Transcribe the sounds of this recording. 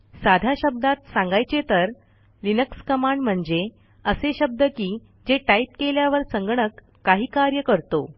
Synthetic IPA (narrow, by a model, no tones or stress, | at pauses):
sad̪ʱaɕəb̚d̪at̪sãŋɡajt͡ɕet̪əɾ | linəkskəmaɳɖm̤əɳd͡ze | əseɕəb̚d̪əkiː | d͡zeʈaip̚keljaʋəɾsəŋɡɳəkː | aɦiːkaɾjəkəɾt̪o